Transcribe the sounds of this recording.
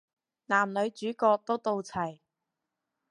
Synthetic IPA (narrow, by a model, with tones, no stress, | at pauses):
naː˨˩mlɵ˨˧ɥt͡ʃyː˨˥kɔː˧k̚t̪o˥wt̪o˧wt͡sʰɐ˨˩j